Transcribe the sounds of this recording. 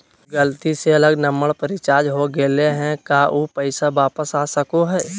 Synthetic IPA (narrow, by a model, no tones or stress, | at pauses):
ɡəlt̪iseɐləɡnəməɽpəɾɪt͡ʃaːd͡ʒɦoɡeleɦɛ̃kaʔuːpəɪsaʋaːpəsaːsɐkoɦɛː